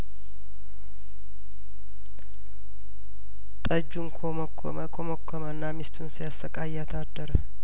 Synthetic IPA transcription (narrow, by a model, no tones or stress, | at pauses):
t̪ʼəd͡ʒːunkʰomkʰː | kʰoməkʰːomənːamist̪ʰunsijasːəkʼajat̪ʰad̪ːəɾ